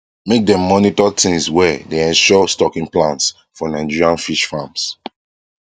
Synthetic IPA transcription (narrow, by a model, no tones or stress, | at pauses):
mek̚dɛ̃mːɔnitɔtĩŋswɛdeɛ̃nʃɔstɔkĩŋplãnts | fɔnãɪ̃nd͡ʒiɹiãnfiʃfams